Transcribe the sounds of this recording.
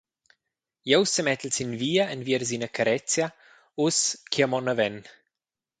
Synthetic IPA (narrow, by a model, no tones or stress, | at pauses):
jowsəmɛt̪lsinviːəənviəɾzinəkʰaɾɛt͡sja | uskʰiəmɔnəvɛn